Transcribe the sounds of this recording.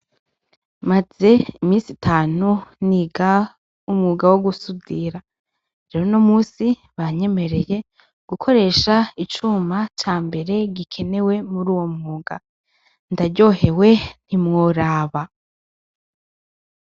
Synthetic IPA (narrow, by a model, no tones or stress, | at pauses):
maz̥e̞imiːsitʰaːnuniːɡa | umŋuːɡawoɡusudiɾa | ɾeɾono̞muːsi | βaɲe̞me̞ɾe̞je̞ | ɡ̥ukʰo̞ɾe̞ːʃait͡ʃumat͡ʃaːmbe̞ɾe̞ɡikʰe̞ne̞we̞muɾuːwo̞mŋuːɡa | ndaɾɟo̞ːhe̞we̞n̥imŋoɾaːβa